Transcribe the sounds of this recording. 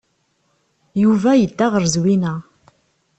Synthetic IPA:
juvæjəd̪ːæʁəɾzwinæ

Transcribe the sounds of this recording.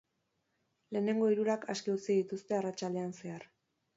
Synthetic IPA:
le̞ːne̞ŋɡo̞iɾuɾakaskiut͡siðit̪ust̪e̞arat͡ʃald̪e̞anse̞aɾ

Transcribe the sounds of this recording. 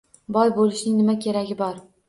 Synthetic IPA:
bɒjbolɪʃnɪŋnɪmakʲʰe̞ɾaɡʲɪbɒɾ

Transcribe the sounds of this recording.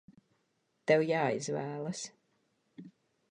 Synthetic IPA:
t̪ɛwjaːizvæːlˠəs

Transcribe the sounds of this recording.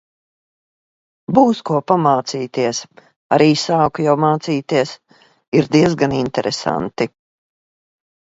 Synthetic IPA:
buːskuɔpamaːt̪siːt̪iɛs | aɾʔiːsaːkujawmaːt̪siːt̪iɛs | iɾd̪iɛzɡanint̪ɛɾɛsa̰nt̪i

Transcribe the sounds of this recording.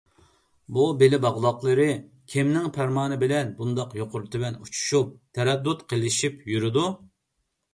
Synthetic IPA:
bubelɪbɑʁlˠɑqlˠɨɾɨ | kʲʰimnɪŋpʰæɾmɑːnɨbɪlɛnbund̪ɑqjoqʊɾt̪ʰɪvɛnut͡ʃʰu̥ʃup̚t̪ʰɛɾɛd̪ːut̪qʰəlˠɪʃipjyɾɪd̪u

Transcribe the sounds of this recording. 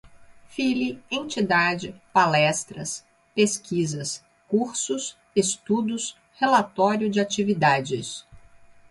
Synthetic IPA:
filiẽnt͡ʃid̪ad͡ʒɪpalɛst̪ɾɐs | peskizɐs | kuɾsʊs | est̪ud̪ʊs | helat̪ɔɾjʊd͡ʒɪat͡ʃivid̪ad͡ʒɪs

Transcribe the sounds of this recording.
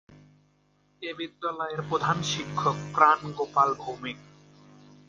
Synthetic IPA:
ebid̪ːalɔeɾpɾod̪ʱanʃikʰːokfɾanɡopalbʱowmik

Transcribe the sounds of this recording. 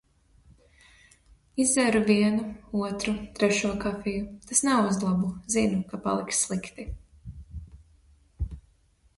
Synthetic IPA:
izɛɾuviɛnuuɔt̪ɾut̪ɾɛʃuɔkafijut̪asnɛuzlˠabuzinukapa̰lˠiksslˠikt̪i

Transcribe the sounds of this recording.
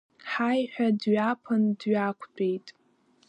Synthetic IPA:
ħajħᶣadɥapʰandɥakʷʰbʰʼejtʼ

